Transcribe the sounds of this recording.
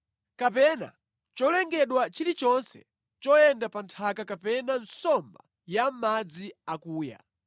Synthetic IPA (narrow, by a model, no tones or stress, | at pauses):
kapɛna̰ | t͡ʃɔlɛŋɡɛɗwat͡ʃilit͡ʃɔnsɛ̰ | t͡ʃɔjɛndapantʰakakapɛnan̩sɔmba | jam̩mad͡ziakuːja̰